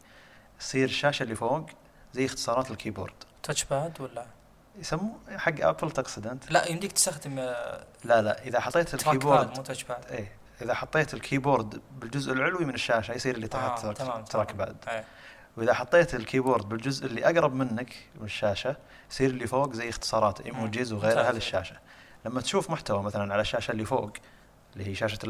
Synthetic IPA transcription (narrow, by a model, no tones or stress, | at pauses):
jsˤiːɾɪʃːaːʃalːifoːɡ | zajːɪxt̪ɨ̥sˤɑːɾˤɑːt̪ɪlkʰiːbo̰ːɾd̪̥t̪ʰat͡ʃbaːd̪wɪlːa | jsamːuħaɡːʔa̰pɪlt̪aqsɪd̪ɪnt̪laʔɪnd̪ikt̪st̪axd̪ɪmlala̰ʔʔɪðaħɑt̪ˤːeːt̪ɪlkɾiːboːɾd̪baʔeː | ʔɪðaħɑt̪ˤːeːt̪ɪlkʰiːboːɾˤd̪bɪld͡ʒʊzʔɪlʕʊlwimɪnɪʃːaːʃajsˤiːɾɪlːit̪ˤɑħt̪ːtːt̪ːɾˤɑːkba̰ːd̪ | wʔɪðaħɑt̪ˤːeːt̪ɪlkʰiːboːɾd̪̚bɪld͡ʒʊzʔɪlːiʔaɡɾˤɑbmɪnːakmɪnɪʃːaːʃa | jsˤiːɾɪlːifoːɡzajːɪxt̪ɨ̥sˤɑːɾˤɑːt̪ʔḛːmʊd͡ʒɪzwɣeːɾhalɪʃːaːʃḁ | lamːat̪ʃuːfmʊħt̪awamaθalanʕalaʃːaːʃalːifoːɡ | ɪlːihiːʃaːʃa